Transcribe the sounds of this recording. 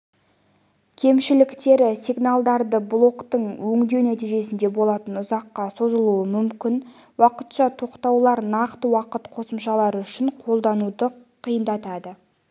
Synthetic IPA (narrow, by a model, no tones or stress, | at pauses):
kʲʰe̞mʃɪlɪkt̪e̞ɾɪsiɡnalˠd̪ɑɾd̪əblˠo̞kt̪əɴwɵŋd̪e̞wnæt̪ijʒe̞sɪnd̪e̞bo̞lˠɑt̪ənʊzɑqːɑso̞zəlˠuəmʏmkʲɪn | wɑqət̪ʃɑt̪ʰo̞qt̪ɑwlˠɑɾnɑqt̪əwɑqət̪qʰo̞səmʃɑlˠɑɾʏʃɪɴqʰo̞lˠd̪ɑnud̪əqʰijənd̪ɑt̪ɑd̪ə